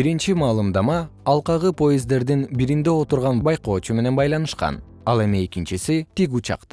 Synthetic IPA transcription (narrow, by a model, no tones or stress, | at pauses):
biɾint͡ʃimɑːlˠɯmd̪ɑmɑːlˠqɑʁɯpo̞jezd̪e̞ɾd̪inbiɾind̪e̞o̞t̪uɾʁɑnbɑjqo̞ːt͡ʃume̞ne̞nbɑjlˠɑnɯʃqɑ̰n | ɑlˠe̞mie̞kint͡ʃisit̪iɡut͡ʃɑ̰qt̪